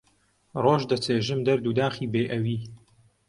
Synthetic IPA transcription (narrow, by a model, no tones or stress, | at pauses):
roːʒd̪ɐt͡seːʒɨmd̪ɐɾd̪uːd̪aːχiːbeːʔɐwiː